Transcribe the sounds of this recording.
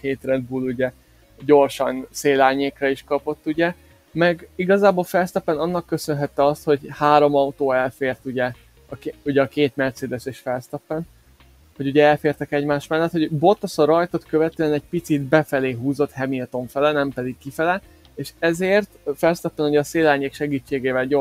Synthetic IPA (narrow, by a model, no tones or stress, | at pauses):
keːt̪rɛd̪̚buluɟɛ | ɟo̞rʃɒnseːlaːɲeːkrɒiʃkɒpo̞t̪ːuɟɛ | mɛɡiɡɒzaːbolfɛlst̪ɛpːɛnɒnːɒkːø̞sø̞nɦɛt̪ːɛɒst̪ho̞ɟhaːɾo̞mɒut̪oːɛlfeːrt̪uɟɛ | ɒkuɟɛɒkeːt̪mɛrt̪seːd̪ɛseʃfɛlst̪ɛpːɛn | ho̞ɟuɟɛɛlfeːrt̪ɛkɛɟmaːʃt̪mɛlːɛt̪ho̞ɟbo̞t̪ːɒsɒɾɒjt̪o̞t̪kø̞vɛt̪øɛnɛɟ̚pit̪sid̪bɛfɛleːɦuːzo̞t̪hɛmilt̪o̞ɱfɛlɛnɛmpɛd̪ikkːifɛlɛ | eːʃɛzeːrt̪fɛlst̪ɒpːɛnuɟɛːseːlaːlɲeːkʃɛɡiːt͡ʃːeːɡeːvɛlɟo